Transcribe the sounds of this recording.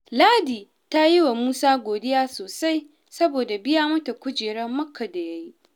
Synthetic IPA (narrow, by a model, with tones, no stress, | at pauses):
laː˦diː˨ | ta˦ji˦wa˨muː˦saː˦ɡʷoː˨dɪ˦jaː˦soː˨sa˦j | sɐ˦boː˨da˨bɪ˦ja˦mʊ˦ta˨kʷʊ˦d͡ʒeː˨ɽɐ˦mːɐ˦kʰːɐ˨da˨jɐ˦ji˦ʔ